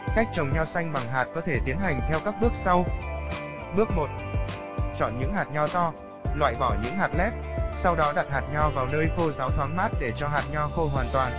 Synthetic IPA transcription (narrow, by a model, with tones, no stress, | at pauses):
ka˦˥jk̟̚t͡ɕə˨˩wŋ͡mɲa˧wsa˧jŋ̟ɓa˨˩ŋɦaː˨˩t̚kɔ˨˦t̪ʰe˧˩t̪i˨˦ənɦa˨˩jŋ̟t̪ʰɛ˧wkaː˦˥k̚ɓɨ˦˥ək̚sa˧w | ɓɨ˦˥ək̚mo˨˩t̚ | t͡ɕɔ̰˧˨nɲɨ̰˧˥ŋɦaː˨˩t̚ɲɔ˧t̪ɔ˧ | lwa̰ː˧˨jvɔ˧˩ɲɨ̰˧˥ŋɦaː˨˩t̚lɛ˦˥p̚sa˧wɗɔ˨˦ɗa˨˩t̚haː˨˩t̚ɲɔ˧vaː˨˩wnəː˧jxo˧zaː˨˦wt̪ʰwaː˨˦nmaː˦˥t̚ɗe˧˩t͡ɕɔ˧ɦaː˨˩t̚ɲɔ˧xo˧ɦwaː˨˩nt̪waː˨˩n